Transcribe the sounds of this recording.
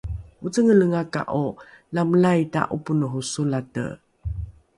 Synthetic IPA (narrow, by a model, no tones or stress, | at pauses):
ut͡səŋələŋaka̰ʔo | lamlajta̰ʔupunuɦusulatə̰